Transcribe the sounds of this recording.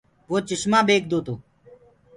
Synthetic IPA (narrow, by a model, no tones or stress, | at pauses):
ʋoːt͡ʃəʃmãːbeːk̚d̪oːt̪oː